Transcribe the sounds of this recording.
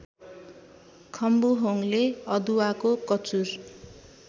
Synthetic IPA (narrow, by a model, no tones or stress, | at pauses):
kʰʌmbuɦoŋleʌd̪uwakokʌt͡sur